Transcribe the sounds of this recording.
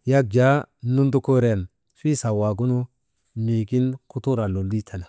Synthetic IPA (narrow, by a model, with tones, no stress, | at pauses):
ja˦k̚d͡ʒa˦nu˦nd̪u˦ko˦ɾa˨n | fi˦sa˨wa˨ɡu˦nu˦ | ni˨ɡi˦nku˦t̪u˦ɾa˨lo˨lːi˦t̪ʰa˨na˨